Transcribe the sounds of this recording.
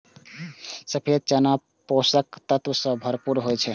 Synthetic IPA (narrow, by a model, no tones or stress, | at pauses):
səpʰit͡ʃəna | posəkt̪ət̪ʋəsə̃bʱəɾpuɾɦojt͡ʃʰɛ